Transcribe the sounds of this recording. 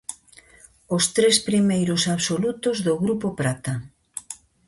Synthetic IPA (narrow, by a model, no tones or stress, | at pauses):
ost̪ɾespɾimejɾʊsaβsolut̪ʊzðoɣɾupopɾat̪a